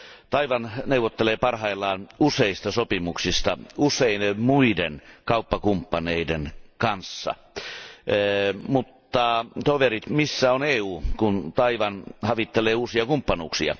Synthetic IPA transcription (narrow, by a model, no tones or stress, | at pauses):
t̪ɑiʋɑnneuʋot̪ːeleːpɑrhɑilːɑːnuseist̪ɑsopimuksist̪ɑuseinmuidenkɑupːɑkumpːɑneidenkɑnsːɑ̰ | mut̪ːɑt̪oʋerit̪misːæoneːuːkunt̪ɑiʋɑnhɑʋit̪ːeleːuːsiɑkumpːɑnuːksiɑ̰